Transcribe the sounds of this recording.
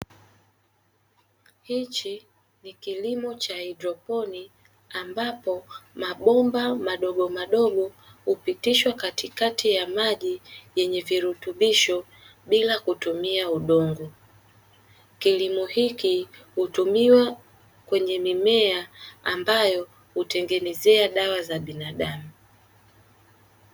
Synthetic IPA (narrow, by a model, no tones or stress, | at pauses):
hit͡ʃi | nikilimɔt͡ʃaidɾɔpɔni | ambapɔmaɓɔmbamaɗɔɡɔmaɗɔɡɔ | hupitiʃwakatikatʰijamaʄijɛɲɛviɾutuɓiʃɔ | ɓilakutumiauɗɔŋɡɔ | kilimuhikihutumiwa | kwɛɲɛmimɛaambajɔ | hutɛŋɡɛnɛzɛaɗawazaɓinaɗamu